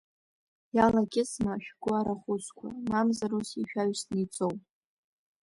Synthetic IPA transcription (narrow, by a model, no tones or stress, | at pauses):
jalaɡʲɪsnaʃᶣɡʷʊaɾaχʷʊt͡sʷʰʼkʷʰa̰mamzaɾusiʃᶣaɥsnit͡sʼowpʼ